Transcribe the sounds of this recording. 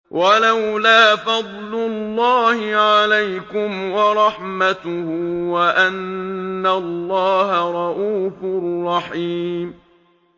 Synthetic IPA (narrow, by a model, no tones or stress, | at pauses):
wʔalawlaːfɑd̪ˤlʊlːɑːhɪʕalajkʊmwɑɾˤɑħmat̪ʊhʊwaʔanːalːɑːɦaɾˤɑʔuːfʊrˤːɑħiːm